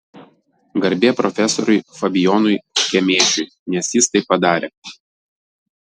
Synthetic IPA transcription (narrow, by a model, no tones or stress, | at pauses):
ɡɐɾʲbʲeːpɾɔfʲɛsɔɾʊɪfɐbʲɪjɔːnʊɪkʲɛmʲeːt͡ʃʲʊɪ | nʲɛsjɪst̪ɐɪpːɐd̪ɑːɾʲʔeː